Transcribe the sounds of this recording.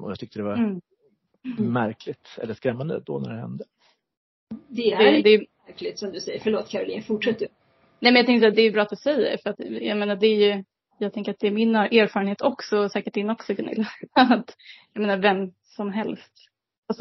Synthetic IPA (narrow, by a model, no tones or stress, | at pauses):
ɔ̰jɑ̰t̪ʰʏk̚t̪əd̪ɛvaɾ | mæɾkʰlɪt̪ɛ̰lːəʂkɾɛmːand̪ə̰d̪ɔ̰næ̰ɖɛhɛ̰nd̪ə | d̪ɛd̪ɛd̪ɛj | klɪt̪sɔmd̪ɵsɛjːəɾfəɭoːt̪kʰaɾɔlḭːnfʊʈʂɛt̪ːə | nɛːmɛnjɑt̪ʰɛŋkəsɛːd̪ɛːɾjɵbɾɑːat̪d̪ɵsɛjːə̰ɾfœɾat̪jɑameːnaɖɛːɾjɵ | jɑːɡ̚t̪ɛŋkəɾat̪̚d̪ɛːɾmɪnʔeːɾfɑːɾənheːt̪ɔksɔsɛːkəʈ̚dɪnɔksɪɡənɪ̰lːat̪jɑjmeːnaɾvɛm | sɔmɦɛlst̪ | asɔ